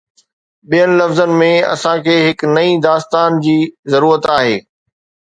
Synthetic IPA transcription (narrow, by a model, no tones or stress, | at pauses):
ɓijənɪlɐfzənɪ̆mẽɐ̰sãkʰeːɦɪknɐĩd̪aːst̪aːnd͡ʑiːzɐɾuːɾət̪aːɦeː